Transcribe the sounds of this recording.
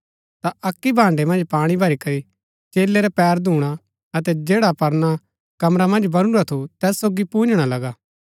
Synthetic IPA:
t̪aʔɐkːibʱãːɳɖemɐ̃nd͡ʒpaːɽ̃ibʱɐɾikɐɾi | t͡ʃeːlːeɾɛpɛːɾd̪ʱuːɽ̃a | ɐt̪ɛd͡ʒeːɽapɐɾna | kɐmɾamɐ̃nd͡ʒbɐɽ̃uɾat̪ʰut̪ɛːsːoːɡipũːnd͡ʒɽ̃alɐɡaː

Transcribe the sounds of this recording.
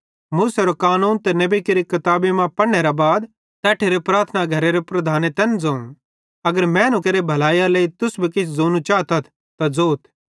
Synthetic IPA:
muːseɾokaːnuːnt̪ɛnɐbikeɾikɐt̪aːbemãpɐɽneɾabaːd̪ | t̪ɛːʈʰeɾepɾaːɾt̪ʰənaɡʱɐɾeɾepɾɐd̪ʱaːnet̪ɛːnd͡zoũ | ɐɡəɾmɛ̃ːnʊ̃keɾebʱɐlaːjaleit̪ʊsbʱikɪt͡ʃʰzoːnut͡ʃaːt̪ɐt̪ʰ | t̪ad͡zoːt̪ʰ

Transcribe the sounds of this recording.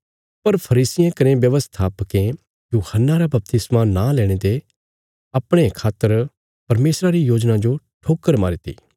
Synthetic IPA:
pɐɾpʰɐɾiːsɪjãkɐɾẽbjɐʋəst̪ʰaːpkẽ | juːhənːaɾabɐp̚t̪ɪsmanalɛːɽ̃et̪e | ɐpɽ̃ekʰaːt̪ːəɾ | pɐɾmeːsɾaɾijoːd͡ʒnãd͡ʒo | ʈʰoːkːəɾma̰ːɾit̪ḭː

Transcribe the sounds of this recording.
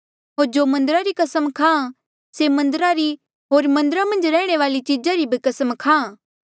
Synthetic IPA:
ɦoːɾd͡ʒoːmɐ̃nd̪əɾaɾikɐsəmkʰãː | semɐ̃nd̪əɾaɾi | ɦoːɾmɐ̃nd̪əɾamɐ̃nd͡ʒɾɛːɽ̃eʋaːlit͡ʃiːd͡ʒaɾibʱikɐsəmkʰãː

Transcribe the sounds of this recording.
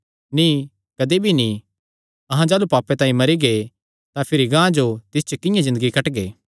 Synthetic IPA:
ni | kɐd̪ebʱini | ɐɦãd͡ʒaːlupaːpːẽt̪ãːĩmɐɾiɡe | t̪ãpʰɪɾiɡãːd͡ʒot̪ɪst͡ʃokɪ̃jãzɪ̃nd̪əɡikɐʈɡḛː

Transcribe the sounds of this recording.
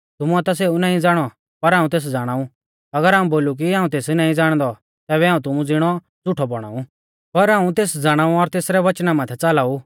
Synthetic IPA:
t̪ʊmuɛt̪as̬eːunãːĩd͡zaːɽ̃ɔ | pɐɾaːũt̪̬eːs̬d͡zaːɽ̃aːũ | ɐɡəɾaːũboːluk̬iaːũt̪eːsnãːĩd͡zaːɽ̃d̪ɔ | t̪ɛːβɛaːũt̪ʊmũd͡zɪɽ̃ɔ | d͡zʊʈʰɔbɔɽ̃a̰ːu | pɐɾaːũt̪eːsd͡zaːɽ̃aːuɔɾt̪eːsɾɛʋɐt͡ʃnamãːt̪ʰɛt͡saːlaːu

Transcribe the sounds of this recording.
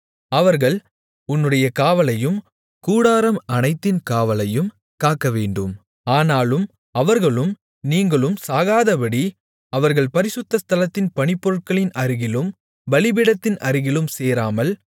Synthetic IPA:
ɐʋɐɾɣɐɭ | ʊnːɯɽɐjɐkaːʋɐlɐjɯm | kuːɽaːɾɐmɐnɐɪt̪ːɪnkaːʋɐlɐjɯm | kaːkːɐʋeːɳɖɯm | aːnaːlɯm | ɐʋɐɾɣɐɭɯm | niːŋɡɐɭɯmsaːɣaːðɐpɐɽi | ɐʋɐɾɣɐɭpɐɾɪsʊt̪ːɐst̪ɐlɐt̪ːɪnpɐɳɪpːɔɾɯʈ̚kɐɭɪnʔɐɾɪɣɪlɯm | ʋɐɭɪbɪɽɐt̪ːɪnʔɐɾɪɣɪlɯmseːɾaːmɐl

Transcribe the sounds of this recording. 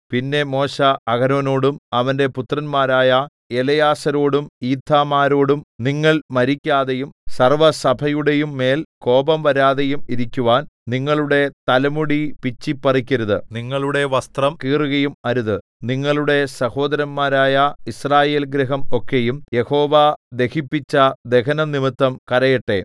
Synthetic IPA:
pinːe̞mo̞ːɕɐːɡɐno̞ːno̞ːɽumɐʋɐnde̞put̪rɐnmaːɾaːjɐ | elɐjaːsɐɾo̞ːɽumiːd̪ʰʱːaːmaːɾo̞ːɽumniŋːɐɭmɐɾikʲːaːðejumsɐrʋɐsɐbʱɐjuɽe̞jumːe̞ːlko̞ːbɐmʋɐɾaːðe̞jumiɾikʲːuʋaːnniŋːɐɭuɽe̞t̪ɐlɐmuɽipit͡ɕːipːɐrikʲːɐɾuðɨniŋːɐɭuɽe̞ʋɐst̪rɐmkiːruɣɐjumɐɾuðɨ | niŋːɐɭuɽe̞sɐho̞ːd̪ɐɾɐmmaːɾaːjɐisraːje̞ːlɡɾɐɦɐmo̞kːe̞jumje̞ho̞ːʋad̪e̞kipːit͡ɕːɐd̪e̞kɐnɐnimit̪ːɐmkɐɾɐjɐʈːe̞

